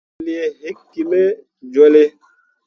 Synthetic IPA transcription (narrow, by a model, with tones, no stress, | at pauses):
li˦e˦ɦe˦kːi˨me˦ | d͡ʒwɛ˦le˦